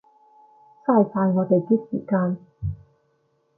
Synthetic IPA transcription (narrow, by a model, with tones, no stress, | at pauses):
saː˥˩jfaː˧jŋɔː˨˧t̪e˨jt̪iː˥k̚sḭː˨˩kaː˧n